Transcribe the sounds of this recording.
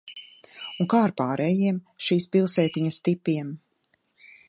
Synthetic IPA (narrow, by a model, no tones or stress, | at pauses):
uŋkaːɾpaːɾʔɛjiɛmʃiːspilˠsɛːt̪iɲɐst̪ipːiɛm